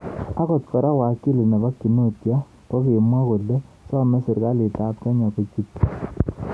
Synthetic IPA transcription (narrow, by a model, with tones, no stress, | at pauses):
a˦kɔ˨t̪kɔ˨ɾa˦wa˨ki˦lɪ˨nɛ˨ba˦kːi˨no˦tja˦ | pɔ˦ke˨mwa˦ko˨lːe˦ | sa˦mɛ˦sɪ˨ɾka˦lɪ˨ta˦p̚ta˦ɲa˨ko˨t͡ʃi˦t